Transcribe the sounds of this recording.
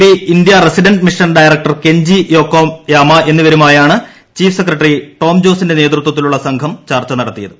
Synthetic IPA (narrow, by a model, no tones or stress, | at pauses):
iind̪jɐresiɖɐnɖmiʂɐnɖɐjrɐk̚ʈɐrke̞ɲd͡ʑijo̞ːkːoːmjaːmɐe̞nːuʋɐɾumaːjaːɳɨ | t͡ɕiːfʰsekːrɐʈːɐriʈo̞ːmd͡ʑo̞ːsinde̞neːt̪rut̪wɐt̪̬ːiluɭːɐsɐŋkʰɐmt͡ɕaːrt͡ɕːɐnɐɽɐt̪ːijɐðɨ